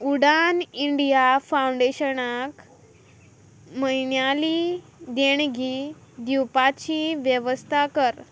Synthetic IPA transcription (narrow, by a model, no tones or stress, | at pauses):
uɽaniɳɖijafawɳɖeɕənak | məɦiɳjali | d̪eɳɡʱiː | d̪uwpat͡ɕiʋjəʋəst̪ʰakəɾ